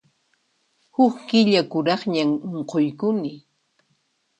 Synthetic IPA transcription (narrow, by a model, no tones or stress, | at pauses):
hʊkkɪʎakʊɾɑχɲamoɴqojkʊnɪ